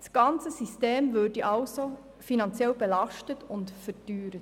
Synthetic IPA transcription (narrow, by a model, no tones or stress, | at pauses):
sɡ̥ɑnt͡səsisteːmvødiʔɑlso | finɑnt͡sjɛlbɛlɑʃtətʊntfɛɾdyːɾə